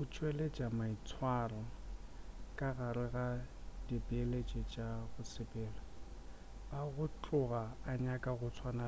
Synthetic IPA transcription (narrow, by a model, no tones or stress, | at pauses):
ɣʊt͡ʃʼweled͡ʒʼamait͡sʰwarɔ | kʼaɣaɾɪɣadibɪelet͡ʃʼɛt͡ʃʼaɣʊt͡sʰɪpʼɛːla | aɣʊt͡ɬʼʊɣaːɲakʼaɣʊt͡sʰwana